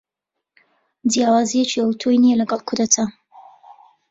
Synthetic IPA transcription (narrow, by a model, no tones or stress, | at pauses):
d̪jaːwaːzijet͡ʃiɐwt̪ʰojnijɛlɐɡɐlˠkʰʊɾd̪ɐt̪ʰa